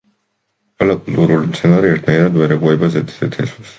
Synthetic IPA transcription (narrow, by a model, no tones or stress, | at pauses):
alakʼult̪ʼuɾulimt̪sʰɛnaɾiɛɾt̪ʰnaiɾad̪vɛɾɛɡuɛbazɛt̪ʰzɛt̪ʰɛswas